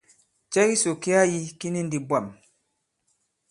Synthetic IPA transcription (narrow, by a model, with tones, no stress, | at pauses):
t͡ʃɛ˦ki˦so˨ki˦a˦ji˦ki˦ni˦n˦di˨bwa˨m